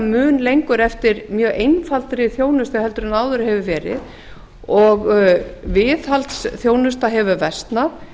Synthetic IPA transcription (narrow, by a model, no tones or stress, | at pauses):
mʏːnlejŋkʏɾɛft̪ɪɾmjœːʔejnfalt̪ɾɪθjoːwnʏst̪ahɛlt̪ʏɾʏnaːwðʏɾhɛvʏvɛːɾɪ̰ð | ɔɣvɪːðhalt̪sθjoːwnʏst̪aɦɛvʏvɛst̪na